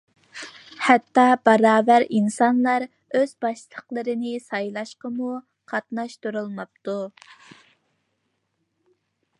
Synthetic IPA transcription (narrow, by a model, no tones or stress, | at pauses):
hɛt̪ːɑbɑɾɑːvæɾinsɑnlˠɑɾ | øz̥bɑʃlˠəqlˠəɾɨnɪsɑjlˠɑʃqəmu | qʰɑt̪nɑʃt̪uɾulˠmɑp̚t̪u